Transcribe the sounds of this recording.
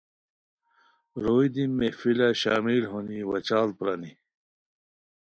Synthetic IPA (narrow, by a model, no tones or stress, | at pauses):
ɾoːjd̪imːefilaɕaːmilɦoniwɐt͡ɕaːl̚pɾɐni